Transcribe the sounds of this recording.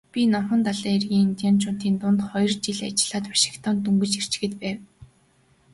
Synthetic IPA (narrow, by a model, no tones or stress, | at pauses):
pʲinɔmχɞ̆nt̪aɮaːerɣʲiːŋint̪ʲjant͡ɕʊːn̥t̪iːnt̪ʊnt̪χɔjɞ̆rt͡ɕiɮat͡ɕɪ̆ɮ̥aːt̪pḁʃɪ̥̆kt̪ʰɔːnt̪ɵŋɡɘ̆t͡ɕer̥t͡ɕ̆xɘ̆t̪pæːw